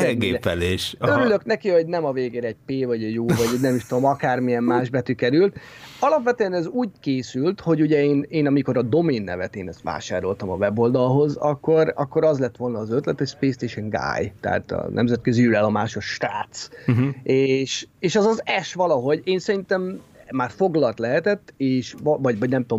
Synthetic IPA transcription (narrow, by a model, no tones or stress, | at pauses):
ɛɡeːpɛleːʃøɾylø̞knɛkio̞ɟnɛmɒveːɡeːɾɛɛɟ̚peːvɒɟɛɟjoːvɒɟnɛmiʃt̪oomɒkaːrmiɛmmːaːʒbɛt̪ykɛɾylt̪ | ɒlɒpʋɛt̪øɛnɛzuːɟkeːsylt̪ho̞ɟuɟɛeːneːnɒmiko̞ɾɒd̪o̞meːnːɛ̰vɛt̪eːnɛst̪ʋa̰ːʃa̰ːɾo̞lt̪ɒmɒvɛbo̞ld̪ɒlɦo̞zɒkːo̞ɾɒ̰kːo̞ɾɒzlɛt̪ːʋo̞lnɒːzøt̪lɛt̪hocspeːst̪eːʃɛŋɡa̰ːjt̪ɛ̰a̰t̪ɒ̰nʔɛ̰mzɛt̪̚køziylɛlːomaːʃoʃʃtɾa̰ːt̪s | eːʃeːʃɛzɒzɛʃʋɒlɒɦo̞ɟeːnsɛɾint̪ɛmmaːrfo̞ɡlɒlt̪lɛɦɛt̪ɛt̪ːeːʃvɒɟvɒɟnɛmt̪om